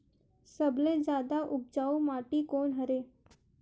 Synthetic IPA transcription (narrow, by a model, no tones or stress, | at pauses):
səbled͡ʑjaːd̪aʔʊp̚d͡ʒaːumaːʈikoːnɦəɾeː